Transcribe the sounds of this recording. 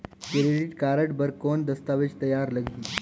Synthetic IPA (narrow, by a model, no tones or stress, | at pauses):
kɾeɖiʈkaɾəʈbəɾkond̪əst̪aʋed͡ʒt̪ɐjaɾləɡʱiː